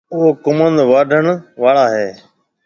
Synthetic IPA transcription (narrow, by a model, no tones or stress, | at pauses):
ʊɦokʊmənd̪ʋaːɖʱəɳ̃ʋaːɭaːɦeː